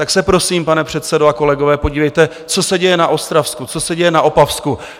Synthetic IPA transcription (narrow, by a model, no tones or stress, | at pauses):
t̪aksɛpɾo̞siːmpanɛpr̝̥ɛt̪sɛdoako̞lɛɡo̞vɛːpo̞ɟiːvɛjt̪ɛ | t͡so̞sɛɟɛjɛnaʔo̞st̪ɾafskut͡so̞sɛɟɛjɛnaʔo̞pafsku